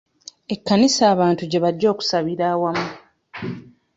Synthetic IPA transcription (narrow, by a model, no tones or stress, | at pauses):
e̞kːanisaːβaːntuɟe̞βaɟːo̞ːku̥saβiɾaːwamu